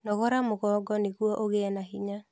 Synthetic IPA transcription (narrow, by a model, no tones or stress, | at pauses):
nɔɣɔɾamoɣɔːɡɔneɣwɔʔoɣeɛnaɦiɲa